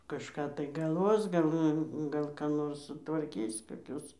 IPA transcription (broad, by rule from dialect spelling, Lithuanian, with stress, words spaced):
kɐʃˈkɑː tɐɪ ɡɐlˠˈʋoːs ˈɡɐlˠ ˈnʊ ˈɡɐlˠ kɑː ˈnoːrs sʊtʋɐrʲˈkʲiːs koːˈkʲʊs